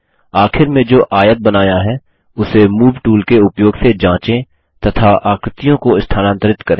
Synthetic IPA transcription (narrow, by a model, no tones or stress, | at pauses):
aːxʰɪɾmẽd͡ʒoːʔaːjət̪̚bɐnaːjaɦɛː | ʊsemuːʋʈuːlkeʊpjoːɡsed͡ʒãːt͡ʃẽ | t̪ɐt̪ʰaʔaːkɾɪt̪ijõkoɪst̪ʰaːnãnt̪ɾɪt̪kɐɾẽː